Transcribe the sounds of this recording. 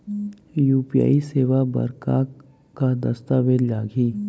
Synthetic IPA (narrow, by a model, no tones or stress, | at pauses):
juːpija̰ːiseːʋabɐ̰ɾkaː | kːad̪ɐst̪aʋelaːɡʱiː